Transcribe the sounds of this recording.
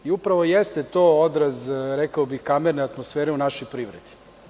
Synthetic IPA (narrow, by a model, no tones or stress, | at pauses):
iupɾaʋo̞jest̪et̪ood̪ɾazɾekaobixkameɾneat̪mosfeːɾeunaʃojpɾiʋɾed̪i̥